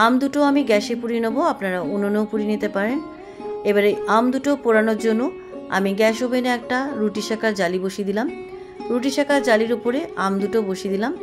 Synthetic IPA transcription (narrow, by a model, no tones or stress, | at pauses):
amd̪uʈoamiɡɛʃepuɾinoboapnaɾaononopuɾinit̪epaɾen | ebaɾejamd̪uʈopoɾanoɾd͡ʑonːo | a̰miɡɛʃobeneɛk̚ʈaɾuʈiʃakaɾd͡ʑaliboʃid̪ilam | ɾuʈ̬iʃakaɾd͡ʑaliɾopoɾeamd̪uʈoboʃid̪ilam